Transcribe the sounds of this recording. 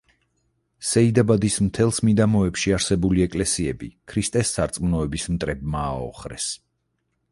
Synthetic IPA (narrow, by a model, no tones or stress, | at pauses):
sɛid̪abad̪ismt̪ʰɛlˠsmid̪amɔɛpʃiaɾsɛbuliɛkʼlɛsiɛbḭkʰɾist̪ʼɛsːaɾt̪sʼmnɔɛbismt̪ʼɾɛbmaːɔ̰χɾɛ̰s